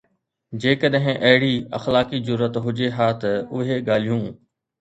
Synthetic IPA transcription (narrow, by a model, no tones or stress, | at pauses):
d͡ʑeːkəɗɦɪ̃ʔɐɦɪɽiːə̰xlaːkizʊɾːət̪ɦʊd͡ʒeɦaːt̪əʊɦeɠaːl̤ijũː